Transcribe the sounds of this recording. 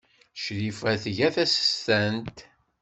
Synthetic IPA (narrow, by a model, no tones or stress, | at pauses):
ʃɾifæθʝæθæsə̥st̪ænt̪